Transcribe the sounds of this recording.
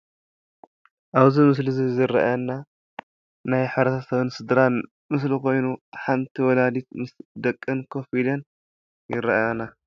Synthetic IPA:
ʔaβzimɨs̬lizizɨɾɐ̰ʔanːa | najħaɾɐt̪ʰɐsɐβɨnsɨd̪ɾan | mɨs̬liko̞jnuħant̪ʰiwɔlad̪it̪̚mɨsd̪ɐkʼːɨnkʰofilɐn | jɪɾɐʔjana

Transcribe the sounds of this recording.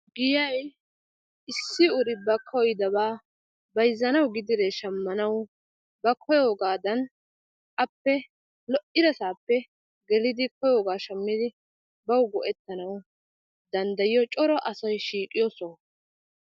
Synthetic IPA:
ɡɪjɐj | ɪsːɪʊɾɪbɐkʰɔjd̪ɐbaː | bɐjzːɐnɐwɡɪd̪ɪɾɛʃɐmːɐnɐw | bɐkʰɔjoːɡaːd̪ɐn | ʔɐpːɛ | lɔʔɪd̪ɐsaːpːɛ | ɡɛlɪd̪ɪkɔjoːɡaːʃɐmːɪd̪ɪ | bɐwɡɔʔɛt̪ːɐnɐw | d̪ɐnd̪ɐjɪjɔt͡ʃʼɔɾɔʔɐsɔjʃiːkʼɪjoːsoː

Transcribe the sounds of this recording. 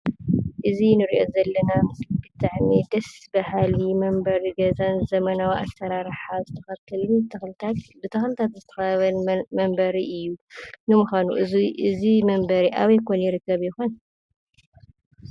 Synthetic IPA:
ʔɨzinɨɾiʔo̞zɐlːɐnaɨsbɨt̪ʰaʕmid̪ɐsbɐhalimɐmbɐɾiɡɐzanzɐmɐnawiʔa̰sɐɾaɾħazɨt̪ʰɐxɐt̪ʰːɐlɨnt̪ʰɐxlɨt̪ʰat̪bɨt̪ʰɐxlɨt̪ʰat̪zɨt̪ʰɐxɐβɐnmɐmbɐɾiʔɨjːunɨmuxanuʔɨɨzimɐmbɐɾiʔaβjkʰonjɪɾɨkːɐβjɪxon

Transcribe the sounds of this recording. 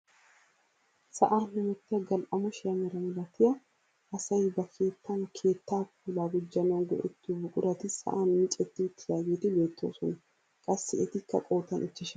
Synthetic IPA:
sɐʔaːnhʊmɔt̪ːɪjɐɡɐlʔɐmɔʃɾɐmɛɾɐmɪlɐt̪ːɪjɐ | ɐsɐjbɐkʰe̞ːt̪ːɐnkʰe̞ːt̪ːaːk̚uːlaːɡʊd͡ʒːɐnɐnɡɔ̰ʔɛ̰t̪ːubʊkʼʊɾɐt̪ɪsɐ̰ʔaːnmɪt͡ʃʼɛt̪ːɪʊt̪ʰːɪjaːɡeːt̪ɪbe̞ːt̪ːoːsɔnɐ | kʼɐsːɪɛt̪ɪkːɐkʼo̞ːt̪ːɐnʔɪt͡ʃːɪʃɐ

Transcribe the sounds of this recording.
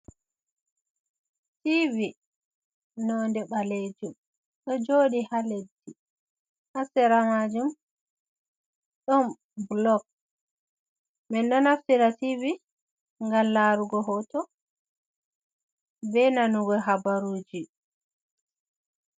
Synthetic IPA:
tivi | nɔndɛɓaled͡ʒum | ɗɔd͡ʒoːɗihaledːi | ʔasɛɾamad͡ʒum | ɗɔm | blɔk̚ | mɛnɗɔnaftiɾativi | ŋɡamlaɾuɡɔɦɔtɔ | bɛnanuɡɔɦabaɾuːd͡ʒi

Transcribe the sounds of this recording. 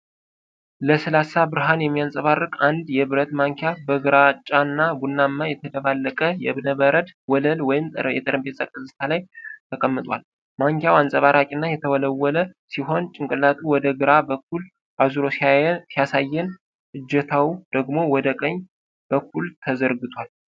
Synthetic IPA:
ləsɨlasabɨɾɨɦanjɛmːijansʼəβarːɨkʼand̪jɛβɨɾət̪maŋkʰjabəɡɨɾat͡ʃʼːanːabunːamːajɛt̪ʰəd̪əβalːəkʼəjɛβnəβəɾəd̪wɔləlwɔjɪmjɛ̰t̪ʼɨɾəmbesʼakʼɨzɨst̪ʰalajt̪ʰəkʼəmːɨt̪ʼwa̰l | maŋkjawansʼəβaɾʔakʼinːajɛt̪ʰəwɔləwːɔləsiɦo̞nt͡ʃʼɪŋkʼɨlat̪ʼuwɔd̪əɡɨɾabəkːul | ʔazuɾo̞siasijasajːɛn | ʔɨd͡ʒːɛt̪ʰawd̪̥əɡmo̞wɔd̪əkʼəɲː | b̥əkːult̪ʰəzəɾɡɨt̪ʰwal

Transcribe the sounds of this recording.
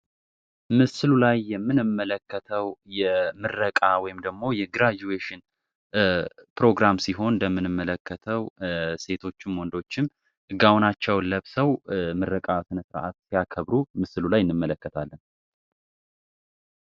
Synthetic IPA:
mɨsɨlulajːɛmːɨnɨmːələkːət̪ʰəwjɛmɨɾəkʼawɔjɪmd̪əɡmo̞jɛɡɾad͡ʒueʃɨn | pɾo̞ɡɾamsiɦo̞nləmːɨnɨmːələkːət̪ʰəwse̞t̪ʰo̞t͡ʃːɪnwɔnd̪o̞t͡ʃːɪm | ɨɡawnat͡ʃːɛwləβsəwmɨɾəkʼasɨnəsɨɾ̰ʔa̰t̪sijakʰəβɾumɨsɨlulajɪnːɨmːələkːət̪ʰalːən

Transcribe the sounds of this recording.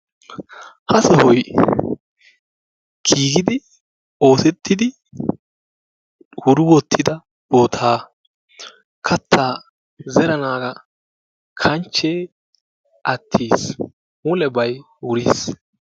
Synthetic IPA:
hɐsɔhɔj | kʰiːɡɪd̪ɪ | o̞ːsɛt̪ʰːɪd̪ɪ | wʊɾʊwɔt̪ʰːɪd̪ɐ | boːt̪ʰaː | kʰɐt̪ʰːaː | zɛɾɐnaːɡɐ | kʰɐnt͡ʃːeː | ʔɐt̪ʰːiːs | mʊlɛbɐj | wʊɾiːs

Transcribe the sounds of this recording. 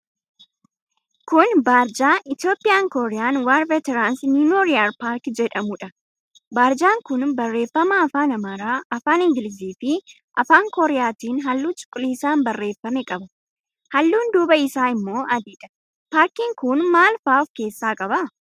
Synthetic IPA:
kʊnbaːɾd͡ʒaːʔɪt̪jo̞ːpʼːɪjaːŋkɔɾɛjaːnwaɾvɛt̪ɛɾaːnsnuːnoːɾɪaɾpaːɾkd͡ʒɛᶑɐmʊᶑɐ | baːɾd͡ʒaːŋkʊnbɐrːe̞ːfːɐmɐːfaːnɐmaːɾaːɐfaːnɪŋɡɪlɪs̬iːfɪ | ʔɐfaːŋkɔɾɛjaːt̪iːnɦɐlːuːt͡ʃʼʊ̥kʼːʊliːsaːmbɐrːe̞ːfːɐmɛkʼɐbɐ | hɐlːuːnd̪uːbɐɪsaːɪmːo̞ːʔɐd̪iːᶑɐ̥ | paːɾkiːŋkʊnmaːlfaːʊfke̞ːsːaːkʼɐbɐ

